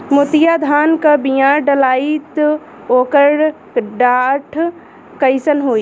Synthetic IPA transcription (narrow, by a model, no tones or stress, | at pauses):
mʊt̪ijad̪ʱaːnkabijaːɾɖəlaːit̪ | oːkəɾ | ɖaːʈʰ | kəɪsənɦoːi